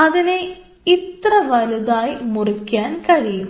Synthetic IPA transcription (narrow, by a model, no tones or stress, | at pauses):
ɐðine | it̪rɐʋɐluðaːjmurukʲːaːnkɐɻijum